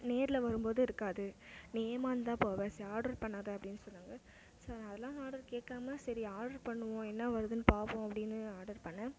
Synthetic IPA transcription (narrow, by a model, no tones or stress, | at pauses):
neːɾɪlɐʋɐɾɯmboːðɯɪɾɯkːaːðɯneːmaːnd̪ãːpoːʋẽːsɐaːɾɖɐɾpɐɳːaːðɐɐpːɐɽɪnːɯsɔnːaːŋɡɐ | sɐɾɐðɛlːãːaːɽɐɾkeːkːaːmɐsɐɾiaːɖɐɾpɐɳːɯʋõːɛnːɐʋɐɾɯðɯnɯpaːpõːɐpːɐɽɪnːɯaːɾɽɐɾpɐɳːɐ̃